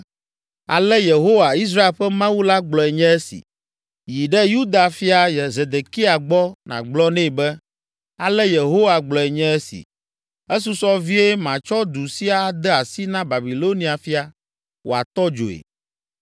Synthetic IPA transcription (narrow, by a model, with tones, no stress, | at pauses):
a̰˨lɛ˦je˨ɦo˦wa˨i˦s̬ɾa˦e˨lɸɛ˦mã˦wu˦la˦ɡ͡blɔ˨ɛ˨ɲɛ̃˦ɛ˦sḭ˨ | ji˨ɖɛ˦ju˦d̪a˨fi˦a˨jɛ˨ze˨d̪e˨ki˦a˨ɡ͡bɔ˦nã̰˨ɡ͡blɔ˦nɛ̃˦˨bɛ˦ | a˨lɛ˦je˨ɦo˦wa˨ɡ͡blɔ˨ɛ˨ɲɛ̃˦ɛ˦sḭ˨ | e˦s̬u˦sɔ˦vi˦e˦mã˨t͡ʃɔ˦d̪u˨si˦a˦d̪ɛ˦a˨si˦nã˦ba˨bi˨lo˦nĩ˨˦a˨fi˦a˨ | wʔo̰˨a˨t̪ɔ˦d͡ʒo̰˨ḛ˨